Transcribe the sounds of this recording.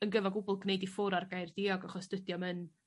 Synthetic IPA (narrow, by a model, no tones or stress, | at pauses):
ənɡəvɔɡʊbʊlˠɡnejdifʊɾarɡajrd̥iɔɡaχɔsd̥ədjɔmən